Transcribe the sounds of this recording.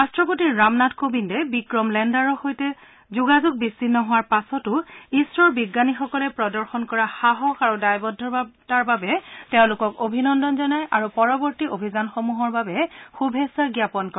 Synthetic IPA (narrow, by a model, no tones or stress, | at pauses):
astɹɔp̬otiːamnatkobindɛbikɹɔmlɛndaɹɔxojtɛ | zuɡazuɡ̚bisːinːɔɦʊwaɹpasɔtʊisɹɔɹbiɡːanixɔkɔlɛpɹɔdɔɹxɔnkɔɹaxaɦɔkaɹudajbɔdʱːɔtaɹbabɛtɛʊ̃lʊkɔkobʱinɔndɔnzɔnajʔaɹupɔɹɔbɔɹtiobʱizanxomuɦɔɹbabɛxubʱesaɡjapɔnkɔ